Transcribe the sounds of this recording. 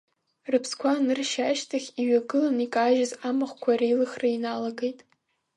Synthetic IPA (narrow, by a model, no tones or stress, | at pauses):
rɨpʰskʷʰanɨrʃaʃtʰaχʲiɥaɡɨlanikʼaʒɪzamɨχʷkʷʰarilɨχrainalaɡejtʼ